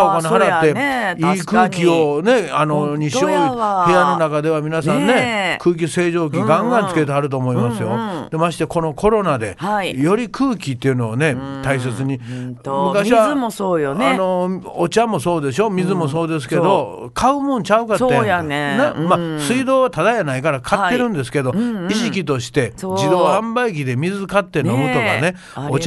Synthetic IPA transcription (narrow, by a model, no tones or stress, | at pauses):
okoɲiɦaɾat̪ːe̞iːkɯːkʲio̞ne̞ano̞ɲiɕo̞ihejano̞nakad̪e̞βamʲinasãnne̞kɯːk̬ʲise̞ːʑo̞ːk̬ʲiɡãŋɡãnt͡sɨ̥ket̪eaɾɯ̟t̪̬oːmo̞imasɨjo̞d̪̥e̞maɕi̥t̪e̞ko̞no̞kʰo̞ɾo̞nad̪e̞̰ajo̞ɾʲikʰɯːkʲit̪ːe̞jɯ̟no̞ne̞t̪ais̬e̞t͡sɨɲ̟imɯkaɕiβamosoːjonano̞ot͡ɕamo̞so̞ːd̪e̞so̞mʲizɨmo̞so̞ːd̪e̞s̬ɨ̥ke̞d̪o̞ | kʰaɯ̟mõɲt͡ɕaɯ̟kaːajanamasɨid̪o̞ːβat̪ad̪ajanaikaɾakʰat̪ːe̞ɾɯ̟̃nd̪e̞sɨ̥ke̞d̪o̞iʑikʲit̪o̞ɕi̥t̪e̞d͡ʑid̪o̞ːhãmbaikʲid̪e̞mʲizɨkat̪ːe̞no̞mɯ̟t̪o̞ka̰ne̞ | ot͡ɕ